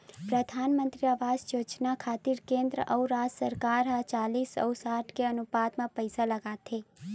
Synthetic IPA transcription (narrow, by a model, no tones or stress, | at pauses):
pɾəd̪ʱaːnmə̃nt̪ɾiaʋaːd͡ʒjoːt͡ʃnakʰaːt̪ɪɾkẽːnd̪ɾəʔɐuɾaːd͡ʒsəɾkaːɾɦãt͡ʃaːliːsɔ̰ːsaːʈʰkeɐnʊpaːt̪mãpəɪsalɐɡaːt̪ʰeː